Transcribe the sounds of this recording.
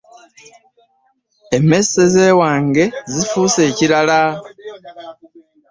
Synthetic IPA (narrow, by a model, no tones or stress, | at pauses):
eme̞seze̞ːwaːŋɡe̞zifuse̞ːciɾala